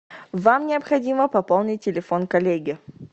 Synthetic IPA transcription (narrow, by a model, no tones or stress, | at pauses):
vamnʲɪɐpxɐdʲiməpɐpolˠnʲɪt̚ʲtʲːɪlʲɪfonkɐlʲeɡʲɪ